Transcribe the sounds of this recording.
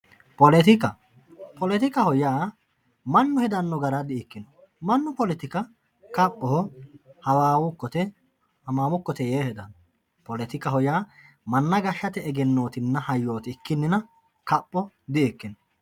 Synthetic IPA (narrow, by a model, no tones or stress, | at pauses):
pɔlɛt̪ɪkɐ | pɔlɛt̪ɪkɐhɔjaː | mɐnːʊhɛd̪ɐnːɔɡɐɾad̪ɪɛkːɪnɔ̥ | mɐnːʊpɔlɛt̪ɪkɐ | kɐpʼːɔhɔhɐwaːwʊkːɔt̪ɛ | hɐmaːmʊkːɔt̪ɛjeːhɛd̪ɐnɔ | pɔlɛt̪ɪkɐɦɔjaː | mɐnːɐɡɐʃːɐt̪ɛɛɡɛnːo̞ːt̪ɪnːɐhɐjːo̞ːt̪ɪɪkːɪnːɪnɐ | kɐpʼːɔ | d̪ɪʔɛkːɪnɔ